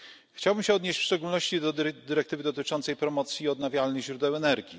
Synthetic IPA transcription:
xt͡ɕawbɘmɕɛɔd̪ɲeɕt͡ɕfʂt͡ʂɛɡulnɔɕt͡ɕid̪ɔd̪ɘɾɛk̚t̪ɘvɘd̪ɔt̪ɘt͡ʂɔnt̪sɛjpɾɔmɔt̪sʲjiɔd̪navʲjalnɘɣʑɾud̪ɛwɛnɛɾɡʲi

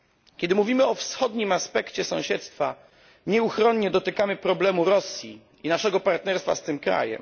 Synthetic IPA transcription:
kʲɛd̪ɘmuvʲimɘɔfsxɔd̪ɲimaspɛkt͡ɕɛsɔ̃w̃ɕɛt̪st̪fa | ɲɛuxɾɔɲɲɛd̪ɔt̪ɘkamɘpɾɔblɛmuɾɔsʲji | inaʂɛɡɔpaɾt̪nɛɾst̪fa̰st̪ɘmkɾa̰jɛ̰m

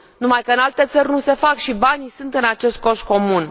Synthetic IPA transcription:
numajkəɨnalt̪e̞t̪sərʲnuse̞fakʃibanisunt̪ɨnat͡ʃe̞st̪̚ko̞ʃ̚ko̞mun

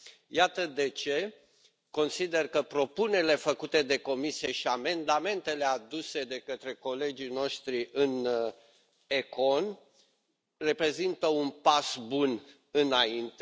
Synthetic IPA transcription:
jat̪əd̪e̞t͡ʃe̞ | ko̞nsid̪e̞rkəpɾo̞puneɾile̞fəkut̪e̞d̪e̞ko̞misijeʃiame̞nd̪ame̞nt̪e̞le̞ad̪use̞d̪e̞kət̪ɾe̞ko̞le̞d͡ʒijno̞ʃt̪ɾiʔɨn | eko̞n | re̞pɾe̞zint̪əunpasbun | ɨnaint̪e

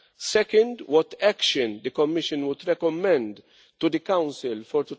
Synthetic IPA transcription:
sɛkə̃nd̪wɔt̪ækʃə̃nd̪əkɔmːɪʃə̃nwʊd̪ɾɛkɔmɛ̃nd̪ | tːud̪əkãʊ̃nsɪlfɔɾt̪u

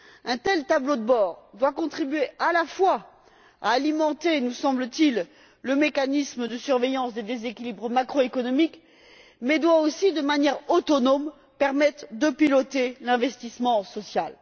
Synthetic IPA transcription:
ɛ̃t̪ɛlt̪ablod̪əbɔʁd̪wakɔ̃t̪χibɥeʔalafwa | a̰ːlimɑ̃t̪enusɑ̃blət̪ilː | əmekanisməd̪əsyʁvejɑ̃sd̪ed̪ezekʲilibʁmakχoekɔnɔmik | mɛd̪waosid̪əmanjɛʁot̪ɔnɔm | pɛʁmɛt̪χd̪əpilɔt̪elɛ̃vɛst̪ismɑ̃sɔsjal

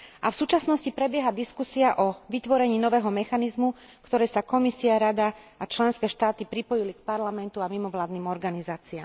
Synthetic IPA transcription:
ʔafsuːt͡ʃasnɔscipɾɛbjɛɦad̪iskusiaʔɔʋit̪ʋɔɾɛɲiːnɔʋɛːɦɔmɛxanizmu | kt̪ɔɾɛːsakɔmisiaɾad̪aat͡ʃlɛnskɛːʃt̪aːt̪ipɾipɔjilik̚paɾlamɛnt̪uamimɔʋlaːd̪niːmɔɾɡanizaːt͡siaːm

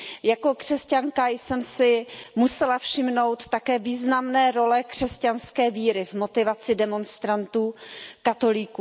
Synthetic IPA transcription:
jako̞kr̥ɛscaŋkajsɛmsɪmusɛlafʃɪmno̞wt̪ːakɛːviːznamnɛːɾo̞lɛkr̝̥ɛscanskɛːviːɾɪvmo̞t̪ɪvat͡sɪdɛmo̞nst̪ɾant̪uːkat̪o̞liku

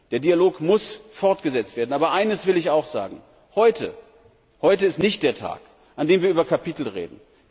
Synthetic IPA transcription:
d̥eːɐdiːaloːkmʊsfɔɐtɡ̥əzɛt͡stv̥eːɐdn̩aːbɐʔaɪnəsv̥ɪlɪçaʊxz̥a̰ːɡŋ̩ | hɔʏtʰə̰ | hɔʏtəɪstnɪçt̚d̥eːɐtʰa̰ːk | ʔandeːmviːɐʔyːbɐkʰapʰitl̩ʁḛːdn̩

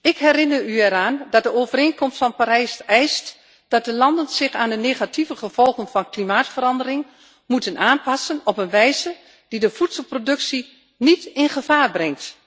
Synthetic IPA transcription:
ɪkɦɛɾɪnəɹyɛɾaːndɑt̚dəoːvəɾeːnkɔmstfɑnpaːɾɛjsɛjst | d̥ɑt̚dəlɑndənz̥ɪχaːndəneːχativəχəv̥ɔlˠχənvɑnklimaːtfəɾɑndərɪŋ | mutənaːnpɑsənɔpənʋɛjzə | d̥idəv̥utsəl̩ˠprodɵksi | nitɪnχəv̥aːrbrɛŋt

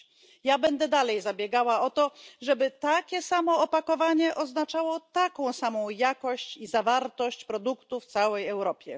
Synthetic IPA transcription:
jabɛnd̪ɛd̪alɛjzabʲjɛɡawaɔt̪ɔʐɛbɘt̪akʲɛsamɔːpakɔvaɲɛʔɔznat͡ʂawɔt̪akɔ̃w̃samɔ̃w̃jakɔɕt͡ɕizavaɾt̪ɔɕt͡ɕpɾɔd̪ukt̪uft̪sawɛjɛwɾɔpʲjɛ

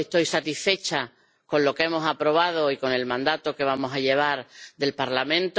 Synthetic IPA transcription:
eht̪o̞jsat̪isfe̞t͡ʃa | ko̞nlo̞ke̞mo̞sapɾo̞β̞að̞oiko̞ne̞lmãnd̪at̪oke̞β̞amo̞saʎe̞β̞aɾðe̞lpaɾlamẽ̞nt̪

